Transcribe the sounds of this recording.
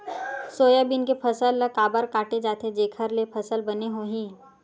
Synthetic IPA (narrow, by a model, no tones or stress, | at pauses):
soːjabɪnkepʰɐsəlkaːbəɾkaːʈed͡ʒaːt̪ʰed͡ʒeːkʰəɾlepʰɐsəlbɐneɦoːɦĩː